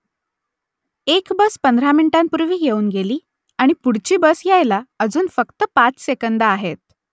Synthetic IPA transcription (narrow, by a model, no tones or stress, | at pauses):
ekbəspənd̪ʱɾaminiʈãmpuɾʋiːjeuːnɡeliː | aɽ̃ipuɽt͡ɕiːbəsjajlaəd͡zuːnfəkt̪əpat͡ssekənd̪aːɦet̪̚